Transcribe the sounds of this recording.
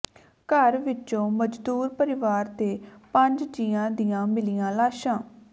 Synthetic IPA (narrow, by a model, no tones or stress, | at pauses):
kəɾʋɪt͡ʃõːməd͡ʒd̪uːɾpəɾɪʋaːɾt̪eːpə̃ɲd͡ʒd͡ʒiːãːd̪ijãːmɪlijãːlaːʃãː